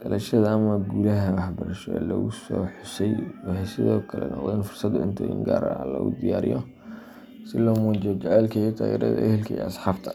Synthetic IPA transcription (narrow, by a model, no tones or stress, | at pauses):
ɡ̪ɐlʔɐʃɐðɐːmɐɡuːlɐɦɐwɑħbɐɾɐʃɔɛlɔɣʊsɔːħʊsɛjwɑhɛsɪðɔːkʰɐlɛ̰nʔɔ̰qd̪ɛɪnfʊrsɐd̪ʊɪnt̪ʰɐɪ̰ŋɡaːɾɐʕ̰lɔ̰ɣʊd̪ijaːɾɪ̰jɔ | sɪlɔːmɔːd͡ʒɔt͡ʃɛʕɛːlkʰɐt̪ʰaːjɛ̰ːɾɐ̰ðɐ̰ʔɛhɛlkʰɐɛ̰ɐsħɑːbt̪ʰɐ̥